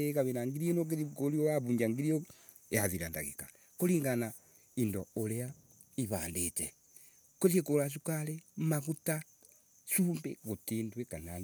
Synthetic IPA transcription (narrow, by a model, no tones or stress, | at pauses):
ekaβenaŋɡiɾienok̬iikolioaβuːɲɟaŋɡiɾio | ehaziɾanda̰ɣḭka | koliːŋɡana | indoolea | iβaːndet͡ʃe | kosiekolaʃ̬ukalemaɣuta | ʃuːmbeɣotiːndwekanan